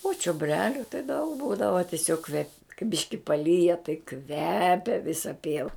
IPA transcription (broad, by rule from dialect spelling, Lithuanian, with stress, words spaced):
oː t͡ʃʲoːˈbʲrʲæːlʲʊ tɐɪ dɐʊk ˈbuːdɐʋɐ tʲɪˈsʲoːk kʋʲɛp kɐɪ ˈbʲɪʃʲkʲɪ pɐˈlʲiːjɛ tɐɪ ˈkʋʲæːpʲɛ ˈʋʲɪsɐ ˈpʲiɛʋɐ